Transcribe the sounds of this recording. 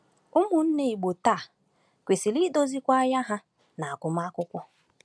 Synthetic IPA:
ʊ˦mu˨n̩˦ne˦i˨ɡ͡bo˨taː˦˨ | kʷe˨si˨li˦do˦zi˦kʷa˦a˦ja˦ɦa˦ | na˨a˨kʊ˨m˦a˦kʷʊ˦kʷɔ˦

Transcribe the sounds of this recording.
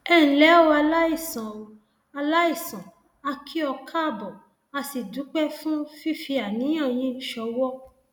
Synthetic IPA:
ɛ˦˨ñ̩˨lɛ˨˦o˧a˧la˦i˦˨sã˨o˨ | a˧la˦i˦˨sã˨ | a˧kʰi˦ɔ˧kʰa˦˧˨bɔ˨ | a˧si˨du˨˦k͡pɛ˦fũ˦fi˦fi˧a˨nĩ˨˦j̃ã˦˨j̃ĩ˨˦ʃɔ˧wɔ˦

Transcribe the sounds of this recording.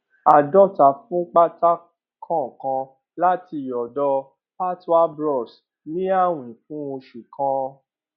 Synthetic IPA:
a˨dɔ˦˨ta˨fũ˦k͡pa˦ta˦ | kʰã˦˨kã˧ | la˦ti˧˨jɔ˨dɔ˧ | pa˦ta˦bɾɔ˦˨s | nĩ˦a˦˨w̃ĩ˨fũ˦o˧ʃi˨kã˧

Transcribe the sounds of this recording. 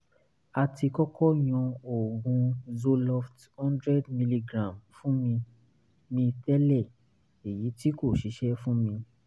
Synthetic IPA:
a˧ti˧kɔ˦kʰɔ˦j̃ɔ̃˧o˨ɡũ˧zo˧lɔ˧fthɔ̃˦ndɾɛ˦dmi˧li˧ɡɾã˨mfũ˦mĩ˧ | mĩ˧tɛ˦lɛ˦˨ | e˨ji˨˦ti˦ko˦˨ʃi˨˦ʃɛ˦fũ˦mĩ˧

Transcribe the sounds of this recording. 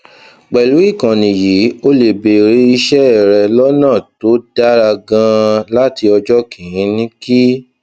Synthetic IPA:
ɡ͡bɛ˨lu˨˦i˦˨kã˨nĩ˨ji˨˦o˦le˨be˨ɾi˧i˧ʃɛ˦ɛ˨ɾɛ˧lɔ˦nãː˦˨to˨˦da˦ɾa˧ɡã˧la˦ti˧ɔ˧d͡ʒɔ˦kĩ˨jĩ˨˦nĩ˦ki˦

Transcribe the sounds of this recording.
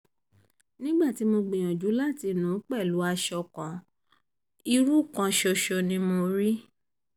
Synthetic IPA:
nĩ˦ɡ͡ba˦˨ti˨˦mo˧ɡ͡bẽ˨j̃ɔ̃˨d͡ʒu˨˦la˦˨ti˧nũ˨˦k͡pɛ˦˨lu˨˦a˧ʃɔ˧˨kã˨˦ | i˧ɾu˦˨kã˧ʃɔ˧ʃɔ˧nĩ˦mo˧ɾi˦

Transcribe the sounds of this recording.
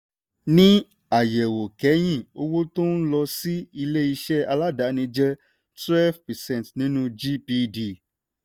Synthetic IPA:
nĩ˦ | a˨jɛ˨wo˨kɛ˨˦j̃ĩ˦˨o˧wo˦to˦n̩˦lɔ˧si˦i˧le˦i˧ʃɛ˦a˧la˦da˨˦nĩ˧d͡ʒɛ˦ | twɛ˦lvpɛ˨sɛ̃˦˨tnĩ˨˦nũ˦d͡ʒi˦pi˧di˧˨

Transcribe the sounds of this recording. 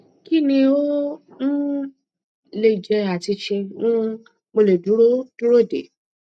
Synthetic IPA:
ki˦nĩ˧o˦n̩˦ | le˦˨d͡ʒɛ˧a˨ti˧ʃɛ˧ũ˦ | mo˧le˨du˨˦ɾo˦d̥u˦ɾo˦˨dḛ˨

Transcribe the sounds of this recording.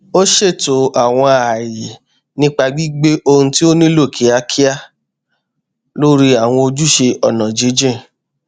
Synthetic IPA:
o˦ʃe˦˨to˨a˨w̃ɔ̃˧a˨ji˨ | nĩ˦k͡pa˧ɡ͡bi˦ɡ͡be˦ʔo˧hũ˦ti˦o˦nĩ˦lo˦˨kʰi˨˦a˦kʰi˦a˦˨ | lo˦ɾi˦a˨w̃ɔ̃˧o˧d͡ʒu˦ʃe˧ɔ˨nã˨d͡ʒe˨˦d͡ʒẽ˦˨

